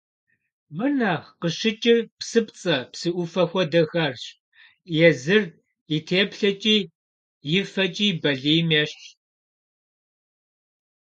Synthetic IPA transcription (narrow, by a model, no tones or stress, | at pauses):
mɨnɐqəɕɪt͡ʃʼɪrpsɨpt͡sʼɐpsɨʔʷʊfɐxʷɔdɐxɐrɕ | jɛzɨr | itʰeːpɬɐt͡ʃʼiː | jɪfɐt͡ʃʼiːbɐɮiːmeɕ